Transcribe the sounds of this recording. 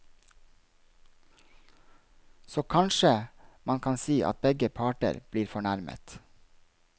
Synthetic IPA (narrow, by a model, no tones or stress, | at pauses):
soːkʰɑnʃəmɑnkʰɑnsiːʔɑ̰t̪̚bɛɡəpʰɑːʈə̰ɾb̥liːɾfɔɳæɾmə̰t̪